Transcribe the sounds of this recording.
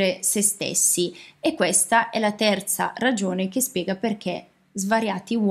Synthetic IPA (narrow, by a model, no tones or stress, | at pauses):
ɾesest̪ḛsːiekːwest̪aʔɛlat̪ɛrt̪sa̰rad͡ʒoːnekespjɛːɡaperk̟e | zvaɾjaːt̪iw